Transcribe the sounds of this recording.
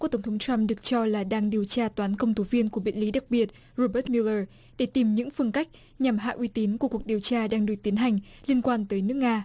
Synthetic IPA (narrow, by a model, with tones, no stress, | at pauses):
u˧˩t̪ə˧˩ŋ͡mt̪ʰə˨˦ŋ͡mtwa˧mɗɨ˨˩ək̚t͡ɕɔ˧laː˨˩ɗaː˧ŋɗi˨˩əwt͡ɕaː˧t̪waː˨˦nkə˧wŋ͡mt̪ʰu˨˦vi˧ənku˧˩əɓḭ˧˨nli˨˦ɗa˨˩k̚ɓi˨˩ət̚ | ɹo˧ɓəː˦˥t̚mi˧ləː˧˩ | ɗe˧˩t̪i˨˩mɲɨ̰˧˥ŋfɨ˧ənka˦˥jk̟̚ | ɲa˨˩mɦa̰ː˧˨ʔwi˨˧˦t̪i˨˦nku˧˩əku˨˩ək̚ɗi˨˩əwt͡ɕaː˧ɗaː˧ŋɗɨ˨˩ək̚t̪i˨˦nɦa˨˩jŋ̟li˧ənkwaː˧nt̪əː˨˦jnɨ˦˥ək̚ŋaː˧